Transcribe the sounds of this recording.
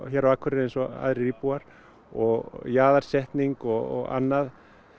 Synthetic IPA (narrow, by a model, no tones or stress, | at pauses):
çjɛɾaaːkʰvʏɾɪðejnsɔa̰ðɾɪripuaɾ̥ | ɔɣjaːðaɾ̥sɛht̪niŋkɔɣ̰ɣa̰nːað